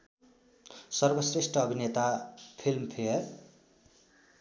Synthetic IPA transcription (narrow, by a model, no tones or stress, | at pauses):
sʌrbʌsresʈʌːbʱinet̪apʰilmpʰeʌr